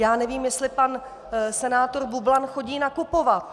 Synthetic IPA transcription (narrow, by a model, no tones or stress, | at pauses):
jaːnɛviːmjɛst̪lɪpan | sɛnaːt̪o̞ɾbublanxo̞ɟiːnakupovat̪̚